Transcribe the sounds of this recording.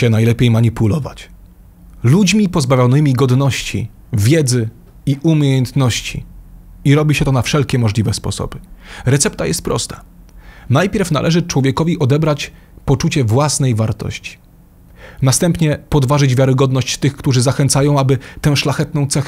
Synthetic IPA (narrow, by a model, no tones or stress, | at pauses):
ɛnajlɛpʲjejmaɲipulɔva̰t͡ɕ | lud͡ʑmʲipɔzbavʲjɔnɘmʲiɡɔd̪nɔɕt͡ɕḭ | vʲjɛd̪zɘ | iʔumʲjejɛnt̪nɔɕt͡ɕḭ | iɾɔbʲiɕɛt̪ɔnafʂɛlkʲɛmɔʐlʲivɛspɔ̰sɔ̰b̥ɘɾɛt̪sɛp̚t̪ajɛst̪̚pɾɔ̰st̪ḁ | najpʲjɛɾfna̰lʔɛʐɘt͡ʂwɔvʲjɛkɔvʲiʔɔd̪ɛbɾat͡ɕ | pɔt͡ʂut͡ɕɛvwasnɛjvaɾt̪ɔ̰ɕt͡ɕi̥ | nast̪ɛmpɲɛpɔd̪vaʐɘd͡ʑvʲjaɾɘɡɔd̪nɔɕt͡ɕt̪ɘxkt̪uʐɘzaxɛnt̪sajɔ̃w̃abɘt̪ɛw̃ʂlaxɛt̪nɔ̃w̃t̪sɛx